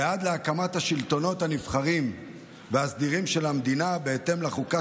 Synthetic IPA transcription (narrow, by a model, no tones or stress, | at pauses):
ead̪leakamat̪haʃilt̪o̞no̞thanifχaʁim | veasd̪iʁimʃe̞lamd̪inabeet̪e̞mlaχuka